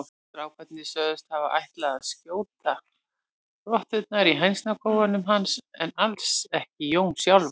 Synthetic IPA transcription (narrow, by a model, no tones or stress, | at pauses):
fɾaːwkʰvɛt̪nɪsœːðʏst̪havaʔa̰jht̪laɣaðscoːwt̪a | rɔht̪ʏt̪̚naɾiɦajnsnakʰoːwvanʏmɦansɛnalsɛhcɪjoːwnsjawlv